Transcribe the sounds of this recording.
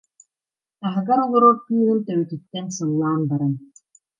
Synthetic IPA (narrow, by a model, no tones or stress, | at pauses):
aɦɯɡaɾɔlˠuɾɔɾkyːɦɯnt̪œwɛt̪yt̪ːɛnsɯlˠːaːnbaɾɯn